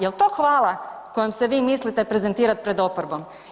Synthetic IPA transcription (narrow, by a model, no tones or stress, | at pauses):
jelˠt̪o̞ːxʋaːlˠa | ko̞jomseʋiːmislit̪epɾe̞zent̪iːɾat̪̚pɾe̞d̪o̞poɾbo̞m